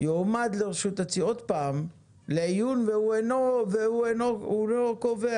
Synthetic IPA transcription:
jomad̪leʁeʃut̪at͡siot̪paːm | leajunveuenoveuenoulokove

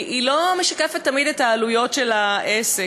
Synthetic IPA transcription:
ilo̞meʃɐkefetːamidetaːlujo̞tʃelaʔese

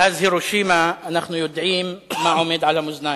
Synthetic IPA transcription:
ʔazhɪɾuʃiːmanaxnʊjʊd̪ʕiːmːaʕʊmɪd̪ʕalamʊzna

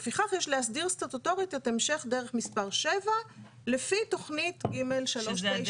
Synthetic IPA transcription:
efiχaχjeʃleasdiʁst̪ʁat̪oto̞ʁitetemʃe̞χdeʁeχmispaʁʃe̞va | lefito̞χnitɡimelʃaloʃe

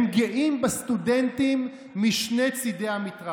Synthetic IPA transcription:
mɡiʔimbast̪udent̪imː | iʃne̞t͡sid̪ejamit̪ʁa

